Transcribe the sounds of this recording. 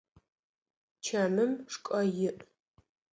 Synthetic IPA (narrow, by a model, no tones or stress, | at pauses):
t͡ʃʰɐmɨmʂkʷʼɐjɪʔ